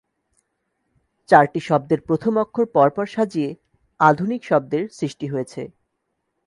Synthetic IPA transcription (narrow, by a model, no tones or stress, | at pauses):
t͡ɕaɾʈiʃɔb̚d̪eɾpɾot̪ʰomɔkʰːoɾpɔɾpɔɾʃad͡ʑie | ad̪ʱunikʃɔb̚d̪eɾsɾiʃʈiɦojet͡ɕʰḛ